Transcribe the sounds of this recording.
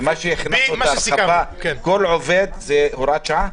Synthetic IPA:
maʃejeχnasoaaɾavaknkolʕoved̪zehoɾat͡ʃa

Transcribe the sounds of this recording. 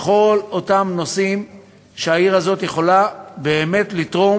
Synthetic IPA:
χo̞lo̞tamno̞sim | ʃeaiʁazo̞tjeχo̞labe̞ːme̞tlitʁo

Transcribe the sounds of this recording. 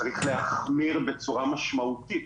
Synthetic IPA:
aʁiχlehaχmiʁbet͡suʁamaʃmaut̪it̪

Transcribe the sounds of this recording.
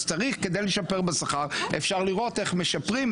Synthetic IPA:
t͡saʁiχked̪ejleʃapeʁbesaχaʁefʃaʁliʁo̞teχmeʃapʁim

